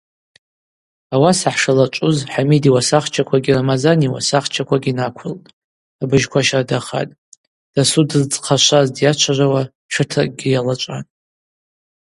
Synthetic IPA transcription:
awasaħʂalat͡ʃʷʼʊzħamidiwasaχt͡ʃʰakʷʰaɡʲiramazaniwa̰saχt͡ʃʰakʷʰaɡʲinakʷʰʊltʼ | abɨʒkʷʰaʃadaχa̰tʼ | d̥asudɨzt͡sʼqʰaʃʷazdjat͡ʃʷʰarʷawa | t͡ʃʷʰɨtʰra̰k̚ʼɡʲijalat͡ʃʷʼa̰n

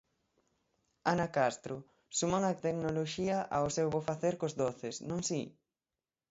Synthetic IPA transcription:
anakast̪ɾʊ | sumaŋat̪eknoloʃiɐʔaosewβofaθeɾkozðoθɪsnõŋsi

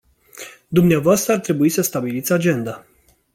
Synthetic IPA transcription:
d̪umneavoast̪ɾəart̪ɾe̞buisəst̪abilit̪sʲad͡ʒe̞nd̪a

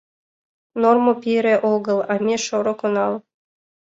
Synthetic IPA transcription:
normopʲiɾeʔoɣɤ̆lˠɑmʲeʃoɾokonɑl

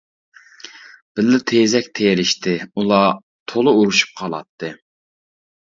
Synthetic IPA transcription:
b̥ɪlːɪt̪ʰezɛk̚ʲt̪ʰeɾɪʃt̪ʰɪulˠɑ | t̪ʰolˠuuɾuʃu̥p̚qʰɑlˠɑ̰t̪ʰːɨ

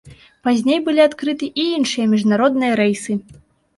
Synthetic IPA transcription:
pazʲnʲejbɨlʲiat̪kɾɨt̪ɨʔiinʂɨjɐmʲiʐnaɾɔd̪̚nɨjɐɾɛjsɨ

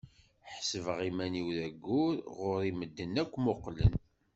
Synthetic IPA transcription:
ħsəvəʁimæniwðæɡːʊɾʁʊɾiməd̪ːənːækʷːmoqlən

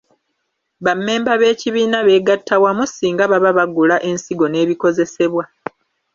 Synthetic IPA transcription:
βamːe̞ːmbaβe̞ːciβiːnaβe̞ːɡatʰːawamusiːŋɡaβaβaβaɡulaʔe̞nsiɡo̞ne̞ːβiko̞ze̞se̞βwa

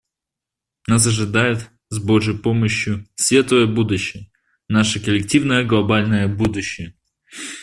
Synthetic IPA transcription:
nas̬ɐʐɨd̪ajɪt̪ | zbo̞ʐəjpoməɕjʊsvʲet̪əjəbud̪ʊɕːɪjə | naʂɨkəlʲɪk̚tʲivnəjəɡlˠɐbalʲnəjəbud̪ʊɕːɪjə

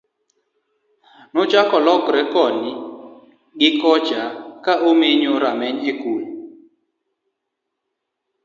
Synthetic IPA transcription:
nʊt͡ʃakɔlɔkɾɛkɔnɪ | ɡɪkɔd͡ʒakaʔomeɲoɾamɛɲɛkul

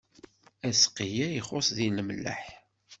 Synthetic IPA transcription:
æsqijæjiχosˤðiləmlːæ̰ħ

